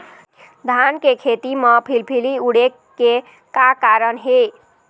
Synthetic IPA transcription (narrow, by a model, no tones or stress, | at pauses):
d̪ʱankekʰet̪iməpʰilpʰiliuɽe | ke | kakaɾənɦe